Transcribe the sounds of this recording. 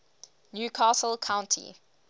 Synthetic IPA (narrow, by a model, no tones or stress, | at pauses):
njuːkʰaːsəlkʰãʊ̃ntʰḭ